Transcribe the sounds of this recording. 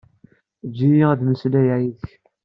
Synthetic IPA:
d͡ʒːijiæðməslæjaiðəç

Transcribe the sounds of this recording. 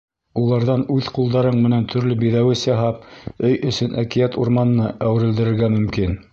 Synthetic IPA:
ulˠɑɾðɑnʉðqulˠd̪ɑɾɤɴmɘ̆nænt̪ʰɵ̆ɾlɘbiðæwɘsjɑɦɑp̚ɵjɵ̆sɵnʔækijæt̪ṵɾmɑnɤ̆nːɤʔæwɘ̆ɾɘ̆ld̪ɘ̆ɾɘ̆ɾɡæmɵ̆mkin

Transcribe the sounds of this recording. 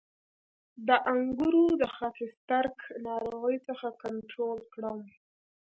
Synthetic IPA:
d̪əʔaŋɡuɾod̪əxɑfɪst̪aɾknɑɾoɣəjt͡səxakaɳʈɾolkɽəm

